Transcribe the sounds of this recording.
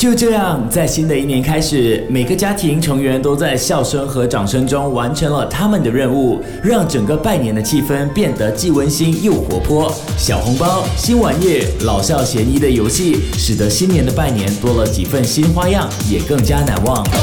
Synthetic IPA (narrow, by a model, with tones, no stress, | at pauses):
t͡ɕjo˥˧ʊʈ͡ʂɤ˥˧jɑ˥˧ŋt͡sa˥˩ɪɕi˥nd̪ə˨i˥˩njɛ˧˥nkʰa˥ɪʂɻ̩˨˩˦me˨˩ɪɡə˦t͡ɕja˥t̪ʰi˧˥ŋʈ͡ʂʰɤ˧˥ŋɥɛ˧˥nt̪o˥ʊt͡sa˥˧ɪɕjɑ˥˩ʊʂə˥ŋxɤ˧˥ʈ͡ʂɑ˨˩ŋʂɤ˥ŋʈ͡ʂʊ˥ŋwa˧˥nʈ͡ʂʰɤ˧˥nlə˧t̪ʰa˥mə˨nd̪ə˩ɻə˥˧nu˥˩ | ɻɑ˥˩ŋʈ͡ʂɤ˨˩ŋɡə˧˦pa˥˩ɪnjɛ˧˥nd̪ə˧t͡ɕʰi˥˩fə˥npjɛ˥˩nd̪ə˧˦t͡ɕi˥˩wə˥nɕi˥njo˥˩ʊxwɔ̰˧˥pʰwɔ˥ | ɕjɑ˨˩ʊxʊ˧˥ŋpɑ˥ʊɕi˥nwa˧˥njɛ˥˩lɑ˨˩ʊɕjɑ˥˩ʊɕjɛ˧˥ni˧˥d̪ə˨jo˧˥ʊɕi˥˩ʂɻ̩˨˩d̪ə˧˥ɕi˥nnjɛ˧˥nd̪ə˧pa˥˩ɪnjɛ˧˥nt̪wɔ˥lə˨t͡ɕḭ˨˩fə˥˩nɕi˥nxwa˥jɑ˥˩ŋjɛ˨˩kɤ˥˩ŋt͡ɕja˥na̰˧˥nwɑ˥˩ŋ